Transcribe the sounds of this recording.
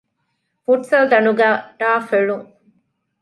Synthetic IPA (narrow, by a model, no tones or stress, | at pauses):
fuʈsɐld̪ɐnuɡæːʈaːfeɭuŋ